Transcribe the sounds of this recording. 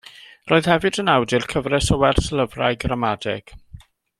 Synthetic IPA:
roːɨð̥hɛvɨdənawdɪrkʰəvrɛsɔwɛrθlˠəvrajɡramadɛɡ̥

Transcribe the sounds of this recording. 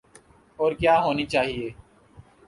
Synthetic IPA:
ɔːɾkjaːɦoːniːt͡ʃaːɦieː

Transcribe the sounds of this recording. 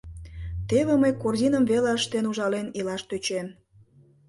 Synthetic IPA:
t̪eβeməjkorzʲinəmveleəʃt̪enuʒɑlenilɑʃt̪øt͡ɕen

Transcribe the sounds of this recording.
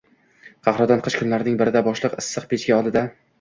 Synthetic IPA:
qʰɑhɾɒd̪ɒnqʰɨʃkʰʊnlaɾɪnɪŋbɪɾɪd̪abɒʃlˠɨqɪsːɨqpʰet͡ʃɡʲaɒlˠd̪ɪd̪a

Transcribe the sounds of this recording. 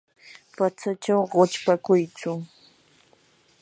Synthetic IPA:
pat͡sat͡ʃawɢot͡ʃpakʊjt͡sʊ

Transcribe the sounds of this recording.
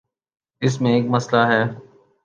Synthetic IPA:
ɪs̬mẽeːkmɐslaɦɛː

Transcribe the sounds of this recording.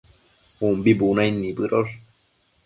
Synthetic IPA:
umbibunainĩbɨɾoʂ

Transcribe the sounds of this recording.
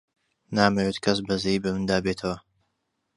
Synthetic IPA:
naːmajet̪kʰɐs̬bɐzɐibɐmɨnd̪aːbet̪ʰɐwɐ

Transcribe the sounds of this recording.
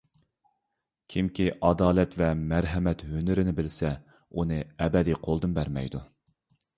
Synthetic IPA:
kʲʰimkʲʰiʔɑd̪ɑːlɛt̪vɛmæɾɦɛmɛt̪hønɪɾɪnɪbɪlsɛ | unɨɛbɛd̪ijqʰolˠd̪ɨnbæɾmɛ̰jd̪u

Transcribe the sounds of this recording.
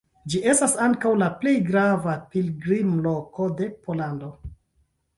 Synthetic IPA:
d͡ʒiʔe̞stasaŋkawlaple̞jɡɾavapilɡɾimlo̞ko̞de̞polando̞

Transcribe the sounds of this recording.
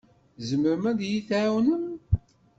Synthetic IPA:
zəməɾmæðjiθʕawnəm

